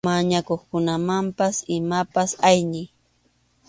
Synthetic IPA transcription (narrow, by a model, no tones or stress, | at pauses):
maɲakoχkʊnamampasɪmapasajnɪ